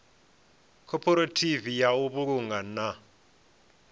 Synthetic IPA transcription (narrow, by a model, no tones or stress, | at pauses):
kʰɔpʰɔɾatʰivijauβuk̬uŋɡana